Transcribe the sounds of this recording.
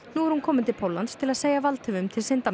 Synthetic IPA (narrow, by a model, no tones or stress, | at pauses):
nuɛɾ̥hunkʰɔːmɪnt̪ʰɪlpʰowlːanst̪ʰɪlaðseːjavalt̪ʰʏvʏmt̪ʰɪlsɪnt̪a